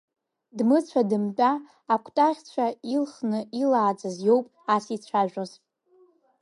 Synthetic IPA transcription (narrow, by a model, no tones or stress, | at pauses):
dmɨt͡sʷʰadɨmt͡pʼaː | kʷʰtʼaʁʲt͡ɕʷʰailχnɨilaːd͡zʼɨzjo̞wpʼasit͡ɕʷʰaʒᶣʷoz